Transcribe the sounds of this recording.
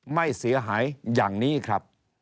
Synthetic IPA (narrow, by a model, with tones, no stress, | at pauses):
ma˥˩jsi˩˦ɐɦaː˩˦jjaː˨˩ŋniː˦˥kʰɾa˦˥p̚